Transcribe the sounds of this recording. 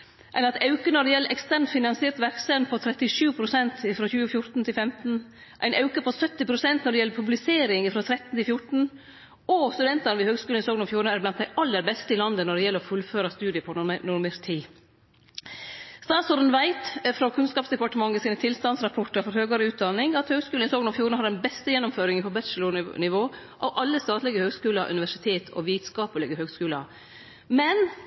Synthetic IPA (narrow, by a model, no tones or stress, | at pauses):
ʔɛɪnɑt̪ɑʉkənɔɖɛjɛlʔɛkst̪ʰæɾɳt̪fɪnɑnsɪeːɾt̪ʋæɾksɛnpʰɔt̪ʰɾɛt̪ɪʂʉːpʰɾʊsɛnt̪ɪfɾoːçʉːəfjʊɾt̪n̩t̪ʰɪlfɛmt̪n̩ | ʔæ̰ɪnʔɑʉkəpʰɔsœt̪ːɪpʰɾʊsɛnt̪nɔɖɛjɛlːəɾpʰʉblɪseːɾɪŋɪfɾoːt̪ʰɾɛt̪n̩t̪ʰɪlfjʊʈɳ̩ | ɔst̪ʉd̪ɛnt̪ɑnəʋɪhøːɡskʉːlɪsoːɡ̪nɔfjuːɾəɳəæɾblɑn̚d̪æɪʔɑlːəɾbɛst̪əɪlɑnd̪ənɔɖɛjɛləɾɔfʉlføːɾɑst̪ʉːd̪ɪəpʰɔnnʊɾmeɾt̪ʰiː | st̪ɑːt̪sɔɾn̩ʋæɪt̪fɾɔkʰʉnskɑːpsd̪ɛpɑʈəmɑŋːəsiːnət̪ʰɪlst̪ɑnsɾɑpʰɔʈːɑɾfɔɾhøːɡɑɾəʉːt̪̚d̪ɑnːɪŋɑt̪høːɡskʉlnɪsoːɡnɔfjuːɾɳ̩əhɑɖɛnbɛst̪əjɛnːɔmføːɾɪŋənpʰɔbɛʃəlʊnɪʋoː | ʔɑʋʔɑlːəst̪ɑːt̪lɪɡəhøːɡskʉːlɑʔʉ̰nɪʋæʂɪt̪ʰeːt̪ʰɔ̰ʋiːt̪̩skɑːpəlɪɡəɦøːɡskʉːlɑ̰ | mɛn